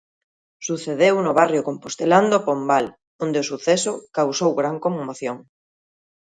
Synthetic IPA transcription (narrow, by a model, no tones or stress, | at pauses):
suθeðewnʊβarjʊkompost̪eland̪opombal | ond̪eosuθɛsʊkawsowɣɾaŋkommoθjoŋ